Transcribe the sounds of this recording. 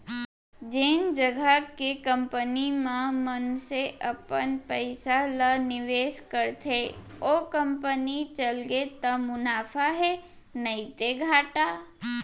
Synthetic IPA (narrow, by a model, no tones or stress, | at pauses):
d͡ʒeːnd͡ʒəɡʱəkekə̃mpənimãmənseʔəpənpəɪsalənɪʋeːʃkəɾt̪ʰe | okə̃mpənit͡ʃəlɡet̪əmʊnaːfʰaɦɛ | nəit̪eɡʱaːʈaː